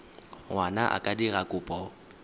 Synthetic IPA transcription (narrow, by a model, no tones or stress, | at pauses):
wanaʔa̰kʼadiɣakʼʊːpʼɔ